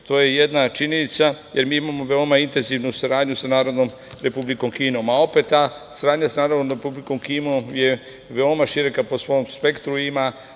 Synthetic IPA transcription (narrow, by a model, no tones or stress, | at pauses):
t̪o̞ːjeje̞d̪nat͡ʃiɲe̞nit̪saje̞ɾmiːimamo̞ʋe̞o̞maint̪e̞nziʋnusaɾaːd̪ɲusanaːɾod̪noːm | ɾe̞publiko̞mkiːno̞ːmao̞pe̞t̪ːaːsaɾaːd̪ɲasnaːɾod̪nomɾepubliko̞mkiːnomje̞ | ʋe̞o̞maʃiɾekapo̞sʋo̞mspe̞kt̪ɾuima